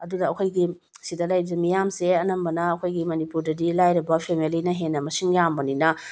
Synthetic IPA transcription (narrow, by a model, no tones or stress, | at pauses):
ɐdudɐɐkʰojɡi | sidɐlajbizɐmijamseɐnɐmbɐnɐːkʰojɡimɐnipuɾdɐdilajɾɐbɐpʰemilinɐɦenːɐmɐsiŋjambɐninɐ